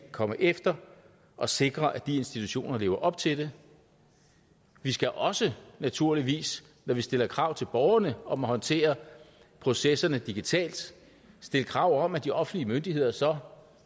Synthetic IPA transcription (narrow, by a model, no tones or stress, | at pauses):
kʰɒ̽məʔefd̥ɐ | ʔɒ̽se̝ɡ̥ʁɐʔæd̥ie̝nsd̥it͡sʰuɕo̝̰ːnɐle̝ːʊɐʔɒ̽b̥̚t͡sʰe̝ld̥e̝ | ʋisɡ̥æʔɒ̽sənæt͡sʰuɐ̰liʋḭːs | nɒʋisd̥e̝lɐkʰʁɑ̈ʊ̰t͡sʰe̝lb̥ɒʊɐnəɒ̽mɒhɒ̽nt͡sʰe̝̰ːɐ | pʰʁo̝sesɐnəd̥iɡ̥it͡sʰɛ̰ːld̥ | sd̥e̝ləkʰʁɑ̈ʊ̰ɒ̽mæd̥iɒ̽fn̩dliəmønd̥ie̝ð̞̰ˠɐsɒ̽